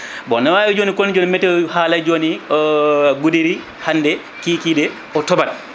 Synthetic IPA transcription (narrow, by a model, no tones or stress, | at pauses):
bɔnawawɛd͡ʒonikonid͡ʒoːnimɛtːɛhaːlad͡ʒoniɔɡudiɾi | hanːdɛ | kiːkidɛ | ɔtɔbat